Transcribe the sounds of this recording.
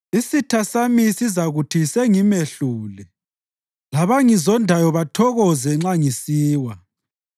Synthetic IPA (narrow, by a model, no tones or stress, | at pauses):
isitʰasamisizaɣutʰiseŋimeɬuːlɛ | laβaŋizɔndʱajɔβatʰɔɣɔzɛŋ͡ǁaŋisiːwa